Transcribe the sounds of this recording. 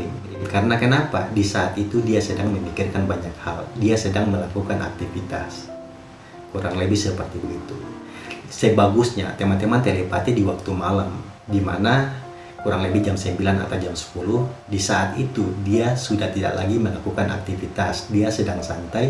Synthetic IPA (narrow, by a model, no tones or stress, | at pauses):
kaɾənakənapa̰disaːt̪it̪udiasədaŋməmikirkanbaɲak̚haldiasədaŋməlakukanʔa̰k̚t̪ifit̪a̰s | kuɾaŋlebihsəpərt̪ibəɡit̪ṵ | səbaɡusɲa̰t̪emant̪emant̪elepat̪idiwak̚t̪umalam | dimana | kuɾaŋlebid͡ʒamsəmbilana̰t̪awd͡ʒamsə̥puluhdisaʔat̪it̪udiasudaht̪ida̰ʔla̰ɡiməlakukana̰k̚t̪ifit̪asdiasədaŋsant̪aj